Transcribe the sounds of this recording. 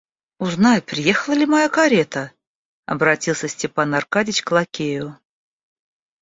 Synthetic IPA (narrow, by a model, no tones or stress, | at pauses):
ʊznajpɾʲɪje̞xəlˠəlʲɪmajakɐɾʲet̪ə | ɐ̰bɾɐtʲilˠsʲəsʲtʲɪpanarkadʲɪt͡ɕklˠakʲejʊ